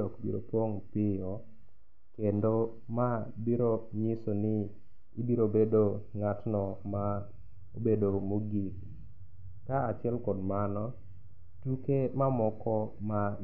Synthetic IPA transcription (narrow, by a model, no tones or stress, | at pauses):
ɔkbḭɾo̰poŋpɪjɔ | kendo | mabiɾoɲɪsonɪ | ibiɾobedoŋatnɔma | obedomoɡik | kaat͡ʃɪɛlkɔdmanɔ | tukemamɔkɔma